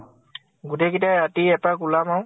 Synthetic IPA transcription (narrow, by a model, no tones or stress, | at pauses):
ɡutekitaatiɛpakulamaw